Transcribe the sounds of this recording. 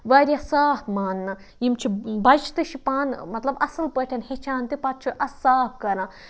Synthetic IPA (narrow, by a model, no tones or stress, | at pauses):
ʋaːɾiɐsaːfmaːnːɐ | jimt͡ʃʰibɐd͡ʒʰt̪ɨʃipaːnmɐt̪lɐbɐsɨlpəːʈʲʰɐnhet͡ʃʰaːnt̪ipɐt̪̚t͡ʃʰiʔɐsaːfkɐɾã